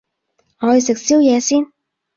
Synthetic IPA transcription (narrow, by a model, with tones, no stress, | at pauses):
ŋɔː˨˧hɵ˨jsɪ˨k̚si˥wjɛː˨˧siː˥n